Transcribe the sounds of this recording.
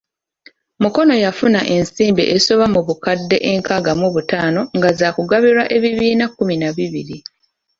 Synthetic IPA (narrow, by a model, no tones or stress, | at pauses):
muko̞no̞jafunaʔe̞nsiːmbḭʔesoβamuβukadːe̞̰ʔeŋkaɡamuβutaːno̞ŋɡazaːkuɡaβiɾwaʔe̞βiβiːnakːuminaβiβḭɾi